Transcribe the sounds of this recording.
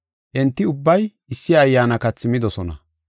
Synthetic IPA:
ʔɛnt̪ːɪʊbːɐj | ɪsːɪːjːaːnɐkɐt͡sːɪmɪd̪ɔsɔnɐ̰

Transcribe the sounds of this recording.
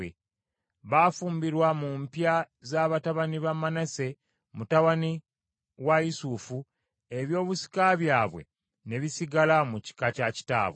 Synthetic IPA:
e | βafuːmbiɾwamumpja | zaβataβaniβamanase̞ | mutaβani | wajisufu | e̞βjo̞ːβusi̥kaβjaːβwe̞̰ | ne̞βisiɡalamuci̥kacaci̥ta̰ːβw

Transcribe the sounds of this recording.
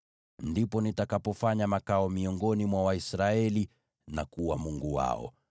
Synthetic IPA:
ndipɔnitakapɔfaɲamakaɔmiɔŋɡɔnimwawaisɾaɛli | nakuwamuŋɡuwa̰ɔ̰

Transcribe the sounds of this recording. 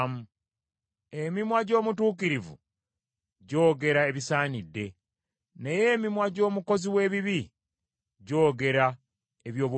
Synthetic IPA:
mu | emimwaɟo̞ːmutuːk̬iɾivṵ | ɟo̞ːɡe̞ɾae̞βisaːnidːe̞ | neje̞ːmimwaɟo̞ːmuko̞ziwe̞ːβiβi | ɟo̞ːɡe̞ɾa | eβjo̞ːβu

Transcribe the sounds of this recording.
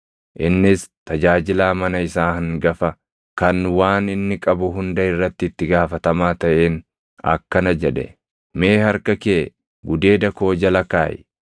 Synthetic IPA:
ʔɪnːɪst̪ɐd͡ʒaːd͡ʒɪlaːmɐnɐɪsaːhɪŋɡɐfɐ | kɐnwaːnɪnːɪkʼɐbʊɦʊnd̪ɐɪrːɐt̪ːɪɪt̪ːɪɡaːfɐt̪ɐmaːt̪ɐʔe̞ːn | ɐ̰kːɐnɐd͡ʒɛᶑɛ̰ | meːhɐɾkɐke | ɡʊd̪e̞ːd̪ɐko̞ːd͡ʒɐlɐkaːj

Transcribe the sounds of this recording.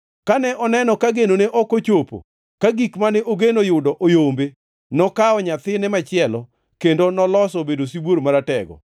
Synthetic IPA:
kanɛʔɔnɛnɔkaɡenoneʔɔkot͡ʃopo̰ | kaɡikmanɛʔoɡenojʊdɔʔojombe | nɔkaɔɲat̪ɪnɛmat͡ʃɪɛlɔ | kendonɔlɔsɔbedosiboɾmaɾatɛɡɔ̰

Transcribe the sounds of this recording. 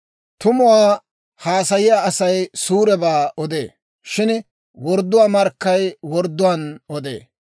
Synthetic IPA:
t̪ʊmʊwaː | haːsɐjɪjaːʔɐsɐjsuːɾɛbaːʔɔd̪ḛː | ʃɪn | wɔɾd̪ːʊwaːmɐɾkːɐjwɔɾd̪ːʊwaːnɔd̪ḛː

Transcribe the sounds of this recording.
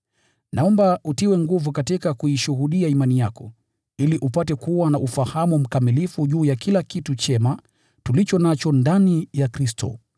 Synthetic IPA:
naɔmbautiwɛŋɡuvukatikakuiʃuɦuɗiaimanijakɔ̰ | iliʔupatɛkuwanaʔufahamum̩kamilifuʄuːjakʰilakitut͡ʃɛma | tulit͡ʃɔnat͡ʃɔndanijakɾistɔ̰

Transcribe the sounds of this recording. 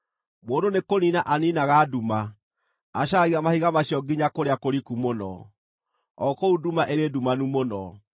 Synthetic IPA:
moːndonekoninaʔaninaɣaːdumaː | ɕaɣiamahiɣamaɕiɔɡiɲakoɾeakoɾikumonɔ̰ | ɔkoudumaʔeɾedumanumonɔ

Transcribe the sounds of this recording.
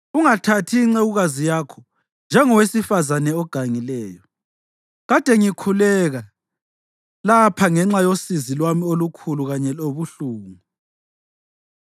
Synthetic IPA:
uŋatʰatʰiːŋ͡ǀɛɣuɣazijakʰɔ | nd͡ʒʱɛŋɔwesifazanɛɔɡ̥ʱaŋilɛːjɔ | ɣad̥ʱɛŋikʰulɛɣa | lapʰaŋɛŋ͡ǁajosizilwamiolukʰuluɣaɲɛloβuɬuːɣu

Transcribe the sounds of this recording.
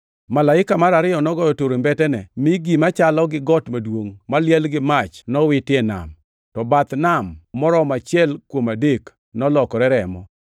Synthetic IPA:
malaɪkamaɾaɾɪjɔnɔɡɔjɔtoɾombɛtɛnɛmɪɡimat͡ʃalɔɡɪɡɔtmadwoŋmaljɛlɡɪmat͡ʃnɔwɪtɪɛna̰m | tɔbat̪namːɔɾɔmat͡ʃjɛlkwomadek | nɔlɔkɔɾɛɾɛmɔ̰

